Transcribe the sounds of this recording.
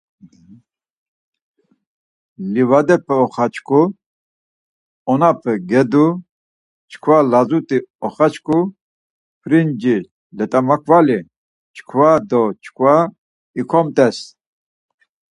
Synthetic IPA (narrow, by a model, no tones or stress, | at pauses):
livad̪ɛpʰɛɔχat͡ʃʰkʰu | ɔnapʰɛɡɛd̪u | t͡ʃʰkʰwalazut̪ʼiɔχat͡ʃʰkʰu | pʰɾind͡ʒi | lɛt̪ʼamakʰvali | t͡ʃʰkʰwad̪ɔt͡ʃʰkʰwa | ikʰɔmt̪ʼɛs